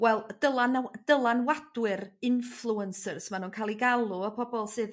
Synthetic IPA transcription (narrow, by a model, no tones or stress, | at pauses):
wɛlˠd̥əlˠand̥əlˠanwad̥wɪɾɪnflˠuənsərsmanuːnkʰaːlˠiɡalˠuəpʰɔbɔlˠsɨːð